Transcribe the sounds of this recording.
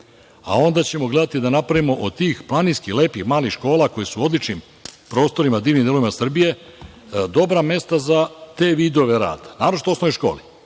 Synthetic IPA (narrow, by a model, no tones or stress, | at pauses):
a̰o̞nd̪at͡ɕe̞mo̞ɡle̞d̪at̪id̪anapɾaʋimo̞ʔod̪̚t̪iːxplˠaninskile̞ːpixmaːlixʃko̞ːlˠako̞jesuo̞d̪lit͡ʃnim | pɾo̞ːst̪o̞ɾimad̪iːʋnimd̪eloʋimasr̩bije̞ | d̪o̞bɾame̞st̪azat̪e̞ːʋiːd̪o̞ʋe̞ɾa̰ːd̪̥anaːɾot͡ʃi̥t̪oooʋjoʃko̞̰ːli